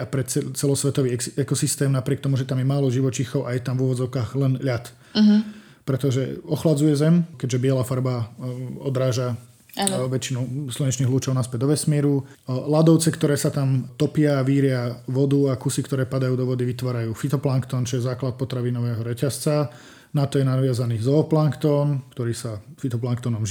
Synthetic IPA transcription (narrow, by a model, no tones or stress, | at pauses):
apɾɛt͡sɛt͡sɛlɔsʋɛt̪ɔʋiːɛkɔsist̪ɛːmnapɾɪɛkt̪ɔmuʒɛt̪amjɛmaːlɔʒiʋɔt͡ʃixɔʊʔajɛt̪amvuʋɔd͡zɔʊkaːɣlɛnʎat̪ | pɾɛt̪ɔʒɛ̰ɔxlad͡zujɛzɛmkɛɟʒɛbɪɛlafaɾbaɔd̪ɾaːʒa | aʋɛt͡ʃinuslɔɲɛt͡ʃniːɦluːt͡ʃɔʊnaspɛɟ̪d̪ɔʋɛsmiɛːɾu | lad̪ɔʊt͡sɛkt̪ɔɾɛːsat̪amt̪ɔpɪaːʋiːɾɪaʋɔd̪uakusikt̪ɔɾɛːpad̪ajuːd̪ɔʋɔd̪iʋit̪ʋaːɾajuːfit̪ɔplaŋkt̪ɔːnt͡ʃɔjɛzaːklat̪̚pɔt̪ɾaʋinɔʋɛːɦɔɾɛcast͡sa | nat̪ɔjɛnaʋɪazaniːzɔːplaŋkt̪ɔnkt̪ɔɾiːsafit̪ɔplaŋkt̪ɔnɔm